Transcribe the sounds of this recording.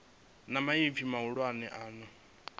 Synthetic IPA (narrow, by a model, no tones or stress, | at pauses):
namaifʰimauɺwanɛʔaːnɔ